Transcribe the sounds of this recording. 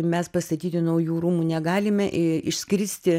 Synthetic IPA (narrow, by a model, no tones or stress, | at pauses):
mʲɛspɐst̪ɐt̪ʲiːt̪ʲɪnɐʊjuːɾuːmuːnʲɛɡɑːlʲɪmʲɛʔɪɪʃʲsʲkʲɪɪsʲt̪ʲɪ